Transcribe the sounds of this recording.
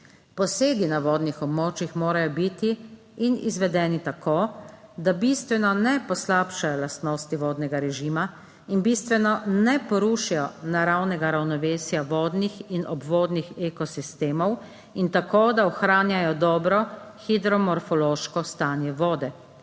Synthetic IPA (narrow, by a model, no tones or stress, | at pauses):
pɔseːɡ̪inaʋɔːd̪nixɔbmoːt͡ʃixmoːɾajɔbit̪iː | nḭzʋɛd̪ɛːnit̪akoːd̪abist̪ʋɛnɔnɛpɔslaːpʃajɔlast̪nɔːst̪iʋɔːd̪nɛɡaɾɛʒiːma | inbist̪ʋɛnɔnɛpɔɾuʃijɔnaɾawnɛɡaɾawnɔʋeːsjaʋɔːd̪nixinɔbʋoːd̪nixekɔsist̪eːmɔw | int̪akoːd̪aɔxɾaːnjajɔd̪ɔːbɾɔxid̪ɾɔmɔɾfɔloːʃkɔst̪aːnjɛʋɔːd̪ɛ